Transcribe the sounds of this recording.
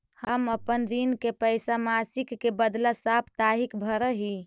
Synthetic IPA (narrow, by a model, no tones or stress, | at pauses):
həməpənɾinkepəjsamasikːebəd̪lasapʰt̪aɦikbʱəɾəɦi